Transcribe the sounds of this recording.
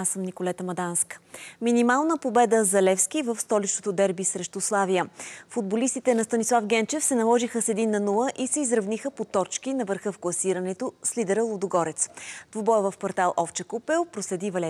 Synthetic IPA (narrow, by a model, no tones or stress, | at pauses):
asəmnikolɛt̪əmɐd̪anskminimalˠnəpobɛd̪əzɐlɛfskivəfst̪ɔlit͡ʃnot̪od̪ɛɾbisɾɛʃt̪oslˠavijəfud̪̚bolist̪it̪ɛnɐst̪ɐnislˠafɡʲɛnt͡ʃɛfsɛnɐlˠɔʒixəsɛd̪inːɐnulˠəʔisɛizɾɐvnixəpot̪ɔt͡ʃkinɐvəɾxɤfklˠɐsiɾənɛt̪oslid̪ɛɾəlˠod̪oɡɔɾɛt̪sd̪vobɔjvəfkɐɾt̪alˠʔɔft͡ʃəkupɛlˠpɾoslɛd̪ivɐlɛ